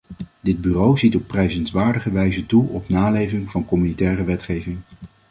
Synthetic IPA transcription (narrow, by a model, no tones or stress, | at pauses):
dɪd̚byrowzitɔpːrɛjzənsʋaːɹdəχəʋɛjzətuɔpnaːlejvɪŋv̥ɑnkɔmynitɛːrəʋɛtχejvɪŋ